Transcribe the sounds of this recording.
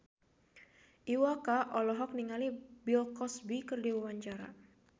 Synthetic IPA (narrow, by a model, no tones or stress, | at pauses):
ʔiwakaʔɔlɔɦɔk̚niŋalibilkɔsbikərdiwawaɲt͡ʃaɾa̰